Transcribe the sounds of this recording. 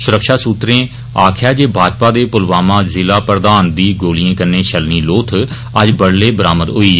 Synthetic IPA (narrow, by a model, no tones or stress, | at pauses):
sʊɾəkʃaːsuːt̪ɾẽː | aːkʰjaːd͡ʒeːbʱaːd͡ʒpaːd̪eːpʊlʋaːmãːzɪlaːpɾəd̪aːnd̪iːɡoːlijãːkəɾnẽːʃʰəlniːloːt̪ʰ | əd͡ʒbəɽleːbəɾaːməd̪ɦʊiː